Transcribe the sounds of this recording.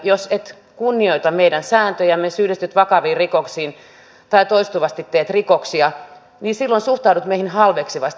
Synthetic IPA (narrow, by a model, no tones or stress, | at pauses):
joset̪ | kunːioit̪ɑmmeidænsæːnt̪øjæmesyːlest̪yt̪ʋɑkɑʋiːrikoksiːn | t̪ɑit̪oist̪uʋɑst̪it̪teːt̪rikoksiɑ | niːsilːonsuht̪ɑudut̪meihinhɑlʋeksiʋɑst̪